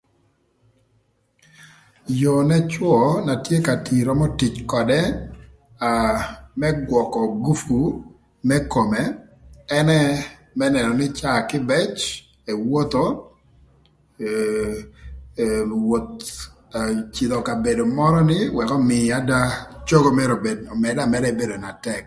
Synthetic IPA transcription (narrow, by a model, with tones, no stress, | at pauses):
jo˨nɛ˦t͡ʃwɔ˨na˨tje˦ka˨ti˨ɾɔ˦mɔ˦ti˨t͡ʃkɔ˨dɛ˦ | a˨mɛ˦ɡwɔ˨kɔ˨ɡu˦fu˨ | mɛ˦ko˨mɛ˨ɛ˦nɛ˦ | mɛ˦nɛ˨nɔ˨nɪ˦t͡ʃa˦˨kɪ˦bɛ˦t͡ʃ | e˨wo˦t̪o˦ | wo˨t̪̚ | t͡ʃɪ˨d̪ɔ˨ka˨be˨do˨mɔ˦ɾɔ˦nɪ˦wɛ˨kɔ˦mɪ˨a˦da˦t͡ʃo˦ɡo˦mɛ˦ɾo˨be˨mɛ˨da˦˨mɛ˦ɾɛ˨be˦do˨na˨tɛ˦k